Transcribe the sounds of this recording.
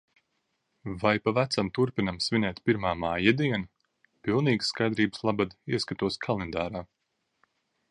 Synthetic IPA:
vajpavæt̪samt̪uɾpinamsvinʲɛːt̪piɾmaːmaːjad̪iɛnu | pilˠniːɡsːkajd̪ɾiːbɨslˠabad̪iɛskat̪uɔskʰalˠend̪aːɾaː

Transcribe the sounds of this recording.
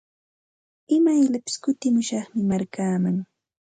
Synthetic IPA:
ɪmajʎapɪ̥skʊt̪ɪmʊʃɑχmɪmaɾkaːmaŋ

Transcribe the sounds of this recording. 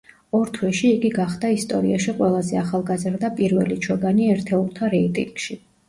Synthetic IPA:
ɔɾt̪ʰwɛʃiːɡiɡaχd̪aist̪ʼɔɾḭaʃiqʼwɛlˠazɛaχalˠɡazɾd̪apʼiɾvɛ̰lit͡ʃʰɔɡaniɛɾt̪ʰɛuɾˠt̪ʰaɾɛit̪ʼḭŋɡ̥ʃi

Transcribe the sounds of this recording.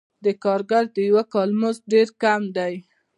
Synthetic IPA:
d̪əkɑɾɡaɾd̪əjwakɑlmozɖeɾkamd̪aj

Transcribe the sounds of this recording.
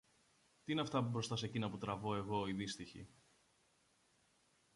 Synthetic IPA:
t̪iineɐft̪ɐpubɾo̞st̪ɐsecinɐput̪ɾɐvo̞e̞ɣo̞iðist̪içḭ

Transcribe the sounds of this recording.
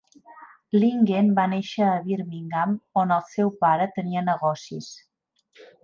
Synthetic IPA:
liŋɡenbaneʃəːβiɾmiŋɡamonəlˠsɛwpaɾət̪əniənəɣɔsḭs

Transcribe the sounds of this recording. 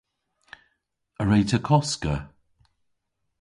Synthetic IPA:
əɹejtʰəkʰɔskə

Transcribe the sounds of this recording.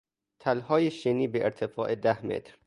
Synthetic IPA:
t̪ʰælhɒːjeʃeniːbeʔeɾt̪ʰefɒːʔed̪æhmḛt̪ɾ

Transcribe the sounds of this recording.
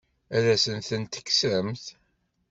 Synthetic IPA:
æðæsənθənt̪ə̥kːə̥sɾəmθ

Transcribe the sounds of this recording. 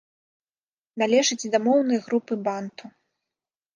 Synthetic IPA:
nalʲɛʐɨd͡zʲd̪amɔwnɐjɣɾupɨbant̪u

